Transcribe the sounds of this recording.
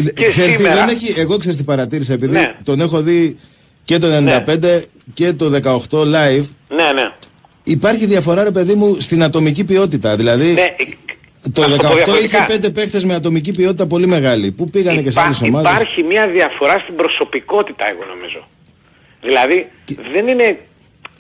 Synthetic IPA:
seɾst̪iðeneçieɣo̞kseɾist̪ipɐɾɐt̪iɾisɐepiðit̪o̞ne̞xo̞ði | ce̞t̪̬o̞enenind̪ɐpe̞nd̪e̞ | ce̞t̪o̞ðe̞kɐo̞xt̪o̞lɐjvnene | ipɐɾçiðiɐfo̞ɾɐɾe̞pe̞ðimust̪inɐt̪o̞micipio̞t̪̬it̪ɐðilɐði | t̪oðekɐoðɐt̪oiçepe̞nd̪epe̞xθe̞zmeɐt̪o̞micipio̞t̪it̪ɐpo̞lime̞ɣɐlipupiɣɐneceseɐliso̞mɐðɐsɾçimɲɐðiɐfo̞ɾɐst̪ibɾo̞so̞piko̞t̪it̪ɐeɣo̞̰no̞̰mḭzo̞̰ | ðilɐðiðe̞nine̞

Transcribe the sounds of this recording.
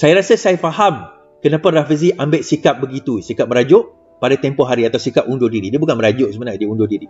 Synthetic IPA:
sajaɾasasajafaɦam | kənãparafəz̬iʔambɪʔsikap̚bəɡit̪usikap̚məɾad͡ʒʊʔ | padat̪ɛmpɔɦaɾiat̪awsikap̚undodiɾidiəbukanməɾad͡ʒʊʔsəmənadiundodiɾi

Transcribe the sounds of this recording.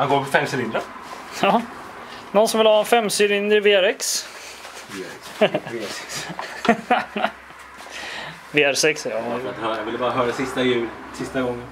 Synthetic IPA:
haŋɡoːɾmɛfɛmsɪɾɪnd̪ɾa | ɑː | nɔnsɔmvɪlhɑːɛnfɛmːsɪɾɪnd̪ɾɪveːæɾɛks | vssɛk | veːæɾsɛksjɑɛt̪əhœːɾajavɪlːəbɑːɾaɦœːɾasɪst̪ajʉ̟ːl | sɪst̪aɡɔŋːən

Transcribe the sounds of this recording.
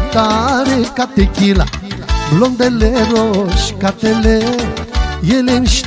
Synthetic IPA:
t̪aɾikat̪ekilablond̪eleɾoʃkat̪elejelinʃ

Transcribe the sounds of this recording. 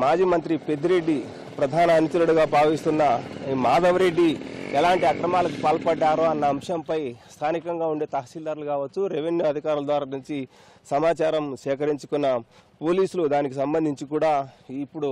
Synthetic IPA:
maːd͡ʒiːmɐnt̪ɾipe̞d̪iɾe̞ɖːi | pɾɐd̪ʱaːnɐːnit͡ʃulɐɽuɡaːbʱaːʋist̪unːɐimaːd̪ɐʋɐɾe̞ɖːiɛlaːɳʈiɐkɾɐmaːlɐk̬upaːlɐpɐɖːaːɾuɐnːɐːmʂɐmpɐjst̪ʰaːnikɐŋɡaːuɳɖe̞ːt̪ɐɦɐʃiːld̪ɐɾɐlukaːʋɐt͡ʃːuɾeʋenjuɐd̪ʱikaːɾulɐd̪ʋaːɾaːnuɲt͡ʃi | sɐmaːt͡ʃaːɾɐmʃɛːkɐɾiɲt͡ʃu̥kunːɐpo̞ːliːsulud̪aːnik̬isɐmbɐnd̪ʱiɲt͡ʃikuːɽaːipːuɽu

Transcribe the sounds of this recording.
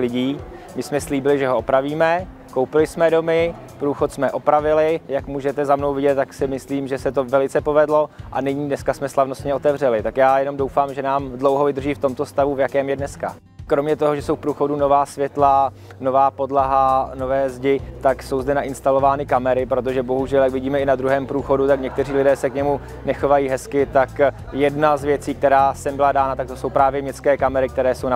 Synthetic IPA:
lɪɟiːmɪsmɛsliːbɪlɪʒɛɦoʔopɾaviːmɛ | kowpɪlɪsmɛdo̞mɪ | pɾuːxo̞t̪smɛʔo̞pɾavɪlɪjakmuːʒɛt̪ɛzamno̞wvɪɟɛt̪̚t̪ːaksɪmɪsliːmʒɛsɛt̪ovɛlɪt͡sɛpo̞vɛdlo̞ʔa̰nɪɲiːdnɛskasmɛslavno̞st̪ɲɛo̞t̪ɛvr̝ɛlɪt̪akjaːjɛno̞mdo̞wfaːmʒɛnaːmdlowɦovɪd̪r̩ʒiːft̪o̞mt̪o̞st̪avuvjakɛːmjɛdnɛska | kɾomɲɛt̪o̞ɦoʒɛsowfpɾuːxo̞duno̞vaːsvjɛt̪la | no̞vaːpo̞dlaɦano̞vɛːzɟɪt̪akso̞wzdɛnaʔɪnst̪alovaːnɪkamɛɾɪpɾo̞t̪̬o̞ʒɛbo̞ɦuʒɛljakvɪɟiːmɛɪnad̪ɾuɦɛːmpɾuːxo̞dut̪akɲɛk̚t̪ɛriːlɪdɛːsɛkɲɛmu | nɛxo̞vajiːɦɛskɪt̪ak | jɛdnazvjɛt͡siːk̚t̪ɛɾaːsɛmbɪladaːnat̪ak̚t̪oso̞wpɾaːvjɛmɲɛskɛːkamɛɾɪkt̪ɛɾɛːso̞wna

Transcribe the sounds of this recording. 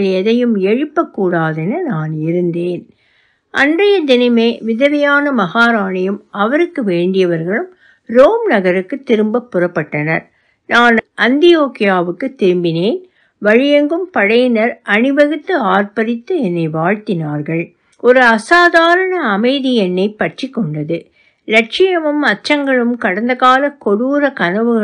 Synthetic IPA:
ɭɛðɐjɯmɛɻɯpːɐkːuːɽaːðɛnɐnaːnɪɾɯnd̪eːn | ʔɐ̰ndrɐjɐd̪ɪnɐɪmeːʋɪðɐʋɪjaːnɐmɐɣaːɾaːɳɐjɯmɐʋɐɾɯkːɯʋeːɳɖɪjɐʋɐɾɣɐɭɯm | ɾoːmnɐɣɐɾɯkːɯt̪ːɪɾɯmbɐpːʊrɐpːɐʈːɐnɐɾ | naːnʔɐnd̪ɪjoːkɪjaːʋɯkːɯt̪ːɪɾɯmbɪneːn | ʋɐɻɪjɐŋɡɯmpɐɽɐjnɐɾʔɐnɪʋɐɣɯt̪ːɯaːɾpɐɾɪt̪ːɯɛnːɐɪʋaːɻt̪ɪnaːɾɣɐɭ | ɔɾɯɐsaːðaːɾɐɳɐːmɐɪðɪjɛnːɐɪpːɐʈrɪkːɔɳɖɐðɯ | lɐʈ̚t͡ʃɪjɐmɯmɐʈ̚t͡ʃːɐŋɡɐɭɯmkɐɽɐnd̪ɐɣaːlɐkɔɽuːɾɐkɐnɐʋɯɣɐ

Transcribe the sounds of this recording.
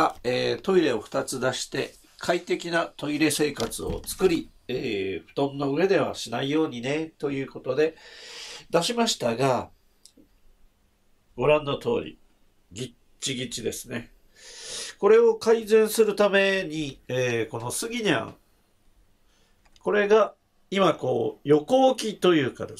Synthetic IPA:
aeːt̪o̞iɾe̞o̞ɸɯ̟̥t̪at͡sɨd̪aɕi̥t̪e̞ | kʰait̪e̞kʲinat̪o̞iɾe̞se̞ːkat͡sɨo̞̰t͡sɨ̥kɯ̟ɾʲieːɸɯ̟̥t̪õ̞nːoɯ̟e̞d̪e̞β̞a̰ɕinaijo̞ːɲ̟ine̞t̪o̞jɯ̟ːko̞t̪o̞d̪e̞ | d̪aɕimaɕi̥t̪aɡa | ɡ̥o̞ɾãnːot̪o̞̰ːɾʲḭ | ɡʲi | t͡ɕiɡʲit͡ɕid̪e̞sɨne̞ | ko̞ɾe̞o̞kaizẽ̞ɰ̃sɨɾɯ̟t̪ame̞ɲ̟ieːko̞no̞sɨɡʲiɲã̰ | ko̞ɾe̞ɡa | imako̞ːjo̞ko̞ːkʲit̪o̞jɯ̟ːkad̪e

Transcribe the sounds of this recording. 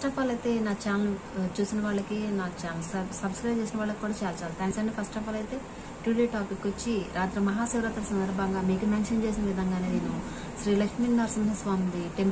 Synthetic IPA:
sʈɐfaːlɐjt̪e̞ːnaːt͡ʃaːnɐl | t͡ʃuːsinɐʋaːɭːɐkinaːt͡ʃaːnɐlssɐbskɾɐjt͡ʃeːsinɐʋaːɭːɐki̥kːuːɽaːt͡ʃaːlɐt͡ʃaːlit̪ʰaːŋksɐnːeːfɐsʈɐfaːlɐjt̪e̞ː | ʈuːliʈaːpikːʋot͡ʃːiɾʔaːt̪ɾɐmɐɦaːsiʋɾɐt̪ɐlɐsɐnd̪ɐɾbʱɐŋɡaːmiːkumaːnʃɐnt͡ʃeːs̬inɐʋid̪ʱɐŋɡaːneːniːnu | ʃɾiːlɐkʂmiːnnaːɾsɐmɦɐsʋaːmid̪iʈem

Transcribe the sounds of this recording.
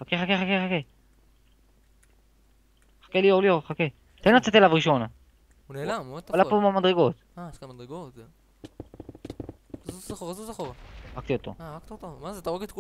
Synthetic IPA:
χakeχakeχakeχake | χḁkelioʁlioχake | t̪enlat͡set̪elavʁiʃo̞na | unelamod̪t̪alapomamad̪ʁeɡo̞t̪ | aeʃkamad̪ʁeɡot̪ | zuzaχoʁazuzaχoʁʁakt̪iot̪o̞̰aʁak̚t̪iot̪omazet̪aʁoɡet̪ku

